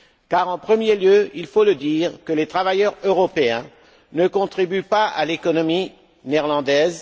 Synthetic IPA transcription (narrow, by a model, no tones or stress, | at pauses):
kaʁɑ̃pχəmjeljøilfoləd̪iːʁkəlet̪χavajœʁøʁɔpeɛ̃ | nəkɔ̃t̪χibypaa̰lekɔnɔmi | nɛʁlɑ̃d̪ɛz